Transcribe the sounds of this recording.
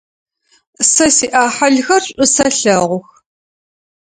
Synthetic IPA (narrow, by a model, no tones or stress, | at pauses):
sɐsiːʔaːħaɮxɐrɕʷʼʊsɐɬɐʁʷʊx